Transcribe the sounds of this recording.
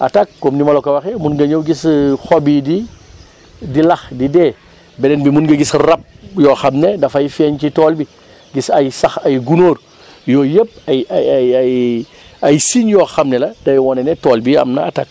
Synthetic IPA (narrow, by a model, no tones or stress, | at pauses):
ʔatak̚komnimɐlokɐwaxɛmunɡɐɲowɡisxobidi | dilɐxdide | bɛdɛnbimunɡɐɡisrɐp̚jɔxamnedɐfajfɛːncitoːlbi | ɡisajsaxajɡunoːɾ | joːjəp̚ajaajaj | ajsiɲjoxamnɛlɐdɐjwɔnenetoːlbiɐ̰mnɐ̰atak̚